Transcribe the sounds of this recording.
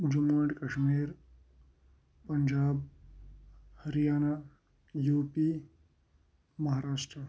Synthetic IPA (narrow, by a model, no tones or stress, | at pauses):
d͡ʒumaːʈkɐʃmiːɾ | pɐɲd͡ʒaːb̚ | hɐɾijaːna | juːpi | mɐɦaːɾaːʂʈɾə